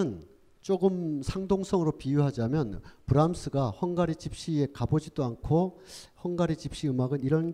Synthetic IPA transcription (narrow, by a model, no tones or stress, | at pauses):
ɯn | t͡ɕ͈oɡɯmsʰaŋdoŋsʰʌŋɯɾopijuɦad͡ʑamjʌnpɯɾams͈ʰɯɡahʌŋɡaɾit͡ɕip̚ɕ͈ie̞kabod͡ʑidoankʰohʌŋɡaɾit͡ɕip̚ɕ͈iɯmaɡɯniɾʌn